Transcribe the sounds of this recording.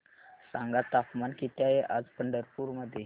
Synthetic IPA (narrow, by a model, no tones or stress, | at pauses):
sa̰ŋɡat̪apmankit̪ajeʔad͡zpəɳɖəɾpuɾməd̪ʱje